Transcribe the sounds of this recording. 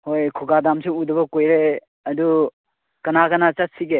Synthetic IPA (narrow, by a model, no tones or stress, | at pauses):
hojkʰuɡadamsiudɐbɐkojɾe | ɐdu | kɐnaɡɐnat͡ʃat̚siɡe